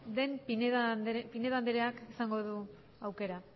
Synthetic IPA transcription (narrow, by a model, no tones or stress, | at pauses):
d̪e̞mpineðd̪pine̞ðand̪eɾeakisaŋɡo̞ð̞u | awke̞ɾa